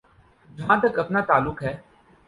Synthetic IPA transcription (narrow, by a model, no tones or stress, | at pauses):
d͡ʒʱãːt̪əkəpnaːt̪aːlʊkɦɛː